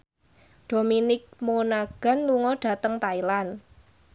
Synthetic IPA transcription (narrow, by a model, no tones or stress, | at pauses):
d̥o̤minɪk̚monaɡ̥a̤nluŋɔɖ̥a̤t̪əŋt̪ailan